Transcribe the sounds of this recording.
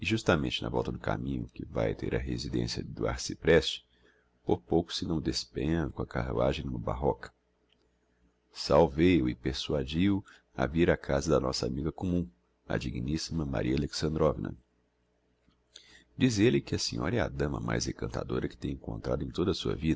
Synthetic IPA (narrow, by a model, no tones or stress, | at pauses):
ɪʒust̪ɐmẽnt͡ʃɪnɐ̰vɔ̰wˠt̪ɐd̪ʊka̰mĩɲʊkɪva̰jt̪eɾɐɦezid̪ḛ̃siɐ̰d̪ʊa̰ɾsɪpɾɛst͡ʃɪ̥ | poɾpowkʊ̥sɪnɐ̃w̃d̪espẽjɐ̃kõɐkaɦaʒẽj̃nũmɐbaɦɔkɐ̥ | sawvejʊɪpeɾsuad͡ʒiw | a̰viɾakʰazɐd̪ɐnɔsɐamiɡɐkomũ | ɐ̰d͡ʒiɡinisimɐma̰ɾiɐaleksɐ̃nd̪ɾɔvinɐ̰ | d͡ʒizelɪkɪɐsĩɲɔɾɐɛa̰d̪ɐ̃mɐ̰ma̰jzekɐ̃nt̪ʰad̪oɾɐkɪ̥t̪ẽj̃ẽŋkõ̰nt̪ɾad̪ʊẽj̃t̪od̪ɐːsuɐ̰vid̪ɐ